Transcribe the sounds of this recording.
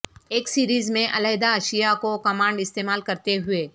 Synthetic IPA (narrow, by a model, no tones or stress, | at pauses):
eːksiːɾiːzmẽʔɐlɛːd̪aɐʃijakokɐmãːɳɖɪst̪eːmaːlkɐɾt̪eɦʊeː